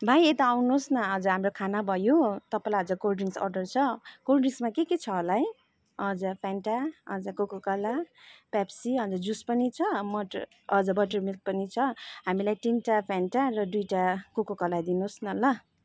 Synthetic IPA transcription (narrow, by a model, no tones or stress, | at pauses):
bʱajet̪ʌawnosnʌʌd͡zʌɦamrokʰanabʱʌjot̪ʌpalaʌd͡zʌkolɖiŋsʌ̰rɖʌrt͡sʰʌkorɖismakeket͡sʰʌːlaj | ʌd͡zʌpʰanʈaʌd͡zʌkokokʌlapapsiʌd͡zʌd͡zuspʌnit͡sʰʌmʌʈ | ʌd͡zʌbʌʈʌrmilk̚pʌnit͡sʰʌɦamilajʈinʈapʰanʈarʌd̪ujʈakokokʌlajd̪inosnʌlʌ